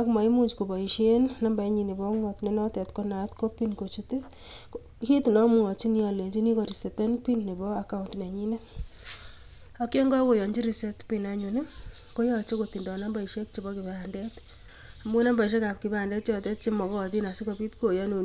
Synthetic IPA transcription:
a˦kma˨i˦mu˦ɲd͡ʒko˨bɔ˨i˨ʃe˦nna˦mba˨ɛ˦ɲi˨ni˨bɔ˦ŋɔ˨tne˦nɔ˦tɛ˨tko˦na˨tko˦pi˦nko˨t͡ʃi˦te˦ | hi˦tnɔ˦mu˨ɔ˨t͡ʃi˦ni˦ɔ˨le˨nd͡ʒi˦ni˦ko˨ɾi˨se˨tɛ˦npi˦nne˨bɔ˦aka˦untne˨ɲi˦ne˦ | akje˦ŋɡɔ˦ko˨jɔ˨ɲd͡ʒi˦ɾi˨se˦tpi˨na˨ɲu˨ni˦ | ko˦jɔ˧t͡ʃe˦ko˨ti˨ndɔ˨na˦mba˨i˨ʃe˦k̚t͡ʃi˨bɔ˦kɪ˨ba˨ndɛ˦t | a˨mu˦na˦mba˨i˨ʃ̬e˦ka˨p̚kɪ˨ba˦˨ndɛ˦t̚t͡ʃɔ˨tɛ˦t̚t͡ʃe˦mɔ˨kɔ˦˨t̬i˦na˨si˦ko˦bi˦tko˨jɔ˦nu˨

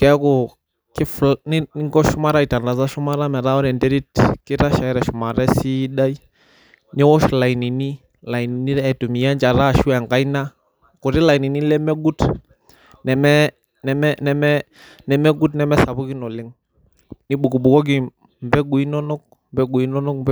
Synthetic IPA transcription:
kɛ˨˦kɔ˨ | ki˦flni˦ni˦ŋɡɔ˦ʃu˦ma˦ɾa˦i˨ta˨nda˨za˦ʃu˦ma˦ɾa˦mɛ˨ɾa˦ɔ˦ɾɛ˨ndɛ˦ɾi˦tki˦ɾa˦ʃa˨ɛ˦ɾɛ˨ʃu˨ma˨ɾɛ˦si˦ɗa˦i˦ | ni˦wɔ˦ʃla˨i˨ni˨ni˦ | la˨i˨ni˨ni˦ɾɛː˦˨tu˨mi˨ja˦nd͡ʒa˨ɾa˦˨ʃu˦a˨ŋɡa˦i˦na˦ | ku˨ɾi˦la˨i˨ni˨ni˦lɛ˦mɛ˦ɡu˦t | nɛ˨mɛ˦ | nɛ˨mɛ˦nɛ˦mɛ˦ | nɛ˦mɛ˦ɡu˦t̬nɛ˨˦mɛ˦sa˨βu˦ki˦nɔ˨lɪ˦ŋ | ni˦ɓu˨ku˨ɓu˨kɔ˦ɡ̬i˨ | mbɛ˦ɡu˨i˦nɔ˦nɔ˦k | mbɛ˦ɡu˨i˦nɔ˦nɔ˦kmb

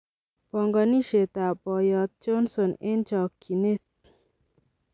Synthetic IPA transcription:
pɔ˨ŋɡa˨ni˦ʃe˨t̪a˨pɔ˨jɔ˨t̪̚t͡ʃo˦nso˨ne˦nt͡ʃɔ˨kʰːi˨ne˦˨t̪̚

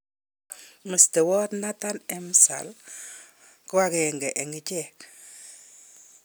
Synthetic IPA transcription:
mə˨ste˨wɔ˦tna˦ta˦nɛ˨msa̰˨l | kʊ˦wa˦keŋɡɛ˨ʔɛ˨ŋɡi˦t͡ʃɛk

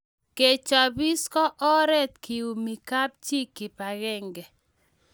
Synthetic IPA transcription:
ke˨t͡ʃɔ˨bi˦skɔ˦ʔɔ˦ɾɛ˦t̪ki˨u˨mi˨ka˦p̚t͡ʃi˦kːɪ˨pa˨ɣɛ˦ŋɡɛ˨

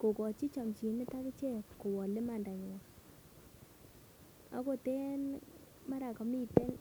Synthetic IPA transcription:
ko˨kɔ˨t͡ʃi˦t͡ʃɔ˨mt͡ʃi˨nɪ˦ta˦kɪ˦t͡ʃe˦pko˨wɔ˨lɪ˦ma˨nda˨ɲ˨wɔ˨ | a̰˦ko˨te˦n | ma˦ɾa˨kɔ˨˦mi˦˨te˦l

